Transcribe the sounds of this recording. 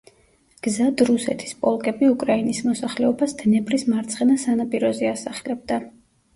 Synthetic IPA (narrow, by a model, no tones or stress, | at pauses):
ɡ̥zad̪ɾusɛ̰t̪ʰi̥spʼɔlˠkʼɛbiukʼɾainismɔsaχlɛɔbasd̪̥nɛbɾismaɾt̪sʰʼχɛnasanapʼiɾɔziasaχɛlɛb̚d̪a